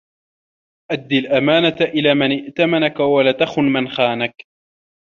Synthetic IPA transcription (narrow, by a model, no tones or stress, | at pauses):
ʔad̪ːilʔamaːnat̪aʔɪlaːmanɪʔt̪amanakawalat̪axʊnmanxaːnak